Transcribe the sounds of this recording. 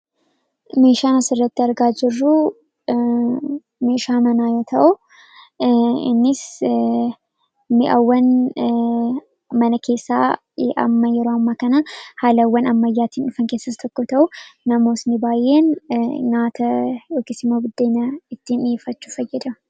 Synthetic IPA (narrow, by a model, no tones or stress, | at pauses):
me̞ːʃaːnɐsɪrːɐt̪ːɪɐɾɡaːd͡ʒɪrːu | me̞ːʃaːmɐnaːjoːt̪ʰɐʔʊ | ɪ̰nːɪs | mɪʔɐ̰wːɐn | mɐnɐkʰe̞ːsːa̰ː | ʔɐ̰mːɐjɛɾoːɐmːaːkɐnɐhaːlɐwːɐnɐmːɐjːaːt̪iːnɪfɐŋkeːsːɐst̪ʰɔkːɔt̪ɐʔʊnɐmo̞ːsnɪbaːjːeːnŋaːt̪ʰɐjoːkesɪmːoːbɪd̪ːeːnɐɪt̪ːiːnɪjefɐt͡ʃːu̥fɐjːɛd̪ɐ